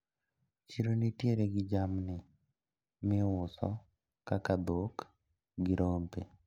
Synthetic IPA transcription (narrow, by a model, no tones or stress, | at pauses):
t͡ʃiɾonitjeɾeɡɪd͡ʒamnɪ | mɪʊsɔ̰ | kakad̪ok | ɡɪɾompḛ